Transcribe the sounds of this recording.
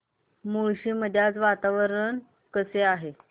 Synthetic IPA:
muɭɕiːm̤əd̪ʱjat͡sʋat̪aʋəɾən | kəseaɦe

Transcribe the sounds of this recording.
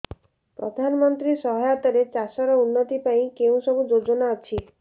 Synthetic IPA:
pɾɔ̰d̪ʱanɔmɔnt̪ɾisɔɦɔjat̪ɔɾet͡ʃasɔɾɔunːɔt̪ipaĩkeũsɔbud͡ʒod͡ʒɔnaɔt͡ʃʰi

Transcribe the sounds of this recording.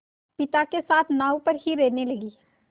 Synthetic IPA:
pɪt̪akesaːt̪ʰnaːupɐɾɦiɾeːnelɐɡiː

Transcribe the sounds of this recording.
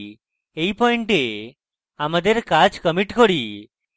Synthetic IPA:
ejpɔiɳʈe | amad̪eɾkat͡ʃkəmiʈkɔɽi

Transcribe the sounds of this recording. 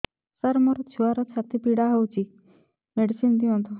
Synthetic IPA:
səɾmɔɾɔt͡ɕʰuaɾɔt̪t͡ɕʰak̚t̪ipiɽaɦɔwt͡ɕi | meɖsind̪iɔ̃nt̪ɔ

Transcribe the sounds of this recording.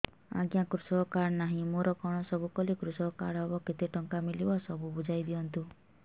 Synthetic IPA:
a̰ɡjakɾusɔkaɾnaɦĩmoɾɔkɔɽ̃ɔsɔbukɔlikɾusɔkaɽɦɔbɔkit̪eʈɔŋkamilibɔsɔbubud͡ʒajd̪iɔnt̪u

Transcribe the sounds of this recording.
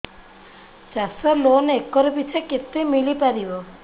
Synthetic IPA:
t͡ʃasɔloneekːɔɾupit͡ʃʰeket̪ːemilipaɾiʋo

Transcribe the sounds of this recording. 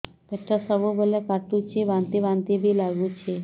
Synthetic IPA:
peʈʰːasəʋubəlekaʈut͡ʃʰiʋãnt̪iʋãnt̪ibʱilaɡũt͡ʃʰe

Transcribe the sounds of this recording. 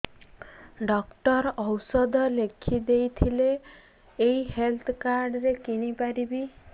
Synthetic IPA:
ɖɔkʈɔɾɔwsɔd̪ɔlekʰid̪ejt̪ʰileː | jɦelt̪ʰkaɾɖɾekinipaɾibi

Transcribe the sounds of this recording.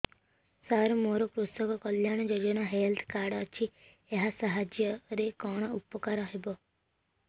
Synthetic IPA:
saɾmoɾɔkɾusɔkɔkɔljaɽ̃ɔd͡ʒod͡ʒɔnaɦelt̪ʰkaɾɽɔt͡ʃʰi | eɦasaɦad͡ʒjɔɾekɔɽ̃ɔupɔkaɾɔɦebɔ

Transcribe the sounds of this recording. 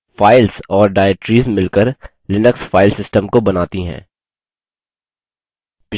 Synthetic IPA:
faːɪlzɔːɾɖaːeʈɾiːzmɪlkəɾ | lɪnəksfaːɪlsɪsʈəmkobɐnaːt̪iɦɛ̰̃ː | pɪ

